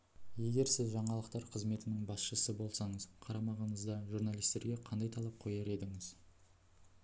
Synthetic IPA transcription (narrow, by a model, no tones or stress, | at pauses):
je̞ɡʲe̞ɾsɪzʒɑɴɑlˠəqt̪ɑɾqʰəzme̞t̪ɪnɪŋbɑsʃəsəbo̞lˠsɑɴəz̥qʰɑɾɑmɑʁɑnəzd̪ɑʒuɾnalˠijst̪e̞ɾɡʲe̞qʰɑnd̪ɑjt̪ʰɑlˠɑp̚qʰo̞jɑɾe̞d̪ɪŋɪz